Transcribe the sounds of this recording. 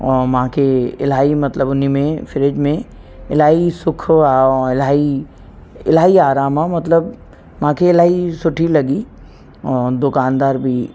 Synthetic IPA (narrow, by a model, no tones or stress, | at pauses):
ɔːɾmɐɦãkʰeɪ̰laːimɐt̪ləbʊnimẽfʰɪɾɪd͡ʒmẽ | ɪlaːisʊkʰaɪlaːi | ɪ̰laːiaːɾaːmamɐt̪ləbː | ɦãkʰeɪlaːisʊʈʰilɐɡi | ɔːd̪ʊkaːnd̪aːɾbʱi